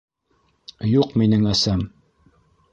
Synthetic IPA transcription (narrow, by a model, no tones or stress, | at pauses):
juqminɘŋæsæm